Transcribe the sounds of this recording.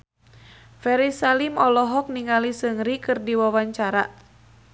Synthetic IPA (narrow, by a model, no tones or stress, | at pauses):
fɛɾisalimɔlɔɦɔk̚niŋalisəŋɾikɨrdiwawaɲt͡ʃaɾa